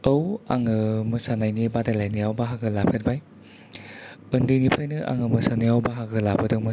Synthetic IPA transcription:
ɐwaŋɯmɯsanajnibadalajnijawbaɦaɡɯlapʰet̚baj | ɯndinipʰajnɯʔa̰ŋɯmɯsanɯjawbaɦaɡɯlabɐdɯmɯ

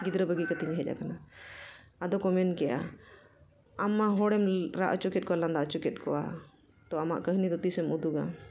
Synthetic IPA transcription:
ɡid̪ɾəbəɡikat̪iɲɦɛd͡ʒa̰kana | ad̪ɔkɔmɛnkɛjʔa̰ | amːaɦɔɽɛmɾaʔət͡ʃukɛt̪̚kɔaland̪aʔt͡ʃukɛt̪̚kʰɔʔa̰ | t̪ɔama̰ʔkəɦnid̪ɔt̪isɛmud̪uɡa̰

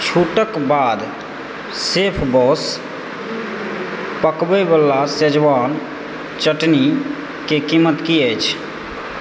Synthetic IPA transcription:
t͡ʃʰuʈəkbad̪ | sepʰbɔs | pəkbebəlased͡ʒʋaːn | t͡ʃəʈni | kekimːət̪kiət͡ʃʰ

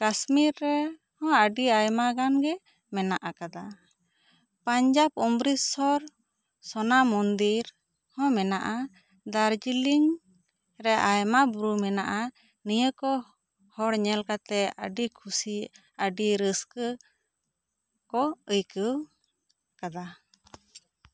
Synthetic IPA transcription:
kasmiɾːɛ | hɔ̃əɖiajmaɡanɡɛ | mɛnaʔakad̪a | paɲd͡ʒabɔmbɾisɔɾ | sɔnamɔnd̪iɾ | hɔ̃mɛnaʔa | d̪aɾd͡ʒiliŋ | ɾɛʔajmabɾumɛnaʔa | nijəkɔ | hɔɽɲɛlkat̪ɛə̰ɖikʰusi | əɖiɾəskə | kɔəjkəw | kad̪a

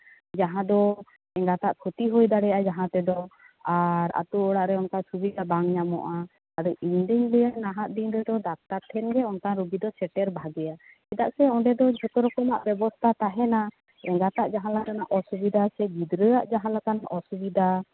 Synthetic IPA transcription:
d͡ʒaɦãd̪ɔ | ɛŋɡat̪aʔkʰɔt̪iɦɔjd̪aɽɛʔad͡ʒaɦãt̪ɛd̪ɔ | aɾa̰t̪uɔɽaʔɾɛɔnkasubid̪abaŋɲamɔ̰ʔaː | ɾɔʔiɲɖ̪iɲləjaʔnaɦaʔ̪̚d̪iɲɾɛd̪ɔɖak̚t̪aɾt̪ʰɛnɡɛɔnkaɾuɡid̪ɔsɛʈɛɾbʱaɡɛja | ɛd̪aʔsɛɔ̃ɖɛd̪ɔd͡ʒʱɔt̪ɔɾɔkɔmaʔbɛbɔst̪ʰat̪aɦɛna | ɛŋɡat̪aʔd͡ʒaɦãlakanaʔɔsubid̪ʱasɛɡid̪ɾəjaʔd͡ʒaɦãlakanɔsubid̪ʱa

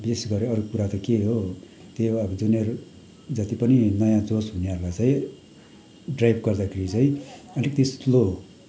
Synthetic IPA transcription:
besɡʌɾeʌɾukuɾat̪ʌkeɦo | t̪eʌbʌd͡zuneɾu | d͡zʌt̪ipʌninʌjãd͡zosɦuneʌɾlajt͡sãĩ | ɖrajbɡʌrd̪akʰeɾit͡sãĩʌlek̚t̪eslo

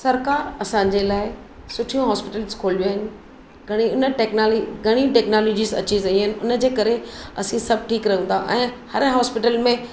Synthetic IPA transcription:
sɐɾkaːɾɐsãɲd͡ʑelaːɪ | sʊʈʰijũɦɔːspɪʈəlzkʰoːlʋiaːɦɪnɪ̆ | ɡʱɐɽ̃iʊnəʈeːknaːliɡʱɐɽ̃ĩʈeːknaːloːd͡ʑizɐ̰t͡ɕizɐiɦɪnɪ̆ʊnə̆d͡ʑeːkɐɾeɐ̰sĩsɐbʱʈʰiːkɾɐɦə̃nd̪ãʔɛ̃ːhɐɾɦɔːspɪʈəlmẽ

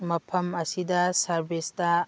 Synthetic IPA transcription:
mɐpʰɐmɐsidɐsɐɾbistɐ

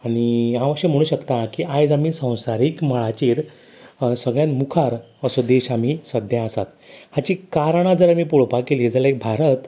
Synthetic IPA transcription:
aɽ̃iãʋəɕjəm̤əɽ̃uːɕəkt̪akiajd͡zamiːsə̃w̃saɾiːkməɭat͡ɕiːɾ | səɡɭjãnmukʰaɾ | əsod̪eɕamisəd̪ʱjãəsat̪ | hat͡ɕiːkaɾɳ̃ad͡zəɾamiːpuɭpakelid͡zəlaek̚bʱaɾət̪

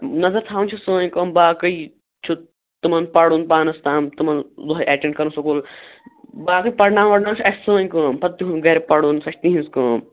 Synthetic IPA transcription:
nɐzɐɾt̪ʰaːwnt͡ʃʰusəːj̃kəːmbaːkɨj | t͡ʃʰu | t̪umɐnpɐɽunpaːnɐst̪aːmt̪umɐnzuɦɐjʔeːʈẽɳʈkɐɾunsɐkuːl | baːkɨjpɐɽnaːnʋɐɽnaːmt͡ʃʰuɐssəːnkəːmpɐt̪ːiɦunɡɐɾepɐɽuːnsɐʃʰt̪ĩɦĩnskəːm

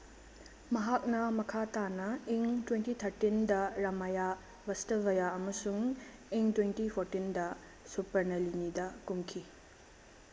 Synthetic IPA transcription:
mɐɦak̚nɐmɐkʰatanɐeŋtwentit̪ʰɐɾtindɐɾɐmaja | bɐstɐbɐjaɐmɐsuŋ | eŋtwentipʰoɾtindɐ | supɐɾnɐlinidɐkumkʰi

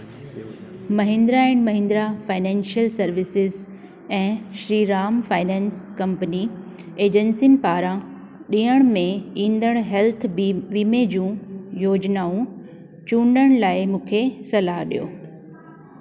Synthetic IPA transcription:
mɐɦẽnd̪ɾaɪɽɖmɐɦɪ̃ːn̆d̪ɾafaːɪnɛ̃ːnʃiəlsɐɾʋɪsɪz | ɛ̃ːʃɾiːɾaːmfaːɪnɛ̃ːnskɐ̃mpəni | eːd͡ʑənsin̆paːɾã | ɗĩːəɽ̃mẽĩːnd̪əɽ̃ɦɛlt̪ʰʋiːmed͡ʑũːjoːd͡ʑnaːũ | t͡ɕũːɳɖəɽ̃laːɪmũːkʰesɐlaːɦɗḭjo̰ː

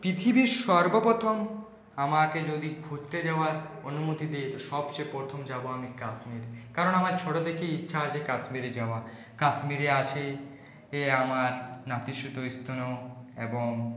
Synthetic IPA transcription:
pɾit̪ʰibiɾʃɔɾbopot̪ʰom | amaked͡ʑod̪iɡʱuɾt̪ːed͡ʑaoaɾonumot̪id̪ejt̪oʃɔbʃepɾot̪ʰomd͡ʑaboamikaʃmiɾkaɾonamaɾt͡ɕʰoʈod̪ekeitːɕʰaaʃʰekaʃmiɾed͡ʑaa | kaʃmiɾeaʃʰe | eamaɾnat̪iʃut̪ojst̪ʰonoeboŋ

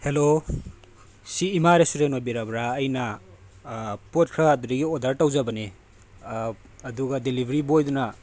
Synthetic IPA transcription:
helo | siːmaɾesuɾenojbiɾabɾaːjnɐ | pot̚kʰɾaduɾiɡiodɐɾtawzɐbɐne | ɐduɡɐdelibʱɐɾibojdunɐ

